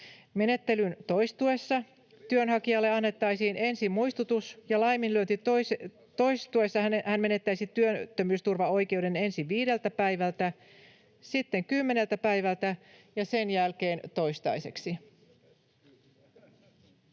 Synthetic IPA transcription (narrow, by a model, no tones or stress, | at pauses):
me̞ne̞t̪ːe̞lynt̪o̞jst̪ue̞sːɑ | t̪yønɦɑkiɑlːeɑnːe̞t̪ːɑjsiːne̞nsimmujst̪ut̪usjɑlɑjminlyønt̪ys | t̪o̞jst̪ue̞sːɑhænme̞ne̞t̪ːæjsit̪yøt̪ːømyːst̪urʋɑo̞jke̞wde̞ne̞nsiʋiːde̞lt̪æpæjʋælt̪æ | sit̪ːe̞ŋkymːe̞ne̞lt̪æpæjʋælt̪æjɑse̞njælke̞ːnt̪o̞jst̪ɑ̰jse̞ksi